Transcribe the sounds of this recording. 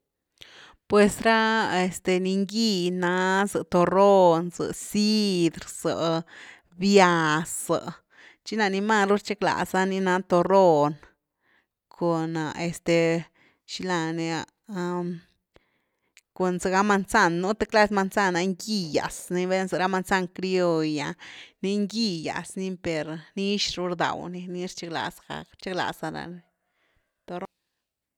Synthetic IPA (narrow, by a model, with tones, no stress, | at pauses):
pwe˨sɾa˦e˨st̪e˧ni˧ŋɡi˦˧na˧˦zɨ˧t̪o˧ro˦nzɨ̰˨si˦d̪ɾz̥ə˨ | bja˧sa̰˨ʔ | t͡ʃi˦na˧ni˧ma˧˨nɾu˦ɾt͡ʃe˦kla̰˨za˦ni˧na˧˦t̪o˧ro˦˧n | kʰo˨na˨e˨st̪e˨ | ʃi˧la˧ni˧a˧ | ko˧nse˧ɡa˦ma˧nsa˦˧˨nːu˦t̪e˦kla˧˦sma˧nsa˧na˧ŋɡi˧ja̰˨sni˧βe˦nse˧ɾa˧˦ma˧nsa˦˧ŋkɾi˦o˧ja˨˧ni˧˦ŋɡi˧ja̰˨sni˧pe˨ɾni˦ʃɾu˧ɾd̪a̰˨wni˧ni˧ɾt͡ʃe˦kla̰˧˨sɡ̥a̰˧kɾt͡ʃe˦kla̰˨sa˧na̰˧˨ni˧ | t̪o˧ɾo˧